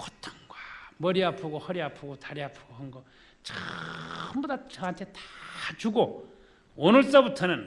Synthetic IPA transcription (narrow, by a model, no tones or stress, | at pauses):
kʰotʰaŋɡwamʌɾiapʰuɡohʌɾiapʰɯɡotaɾiapʰɯɡohʌŋɡʌ | t͡ɕʌ | ɯmbodat͡ɕʌɦantʰe̞tḁt͡ɕuɡo | onɯɭs͈ʌbutʰʌnɯn